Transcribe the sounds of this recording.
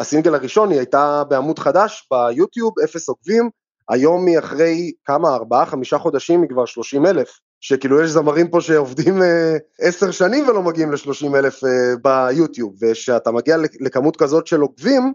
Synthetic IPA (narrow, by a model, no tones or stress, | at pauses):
asinɡe̞laʁiʃo̞niajtabeamudχadaʃb̥ajutjubefe̞so̞ɡvim | a̰jo̞mːiaχʁe̞jkamaːʁbaaχamiʃaχo̞d̪aʃimːikvaʁʃlo̞ʃime̞le̞f | ʃekiːlujɛʃzamaʁimpo̞ʃeovd̪imeeseʁʃanimvelo̞maɡiimleʃlo̞ʃimelefebajut̪jubve̞ʃeatamaɡialele̞kamutkazo̞t̪ʃe̞lo̞ɡvim